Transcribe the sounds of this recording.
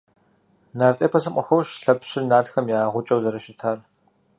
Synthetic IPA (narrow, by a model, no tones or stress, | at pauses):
naːrtʼeːpʰɐzɨqʷʼɐxʷɔʃɬɐpɕɪrnaːtxɐmjaːʁʷʊt͡ʃʼɐwzɐɾɐʃɪtʰaːr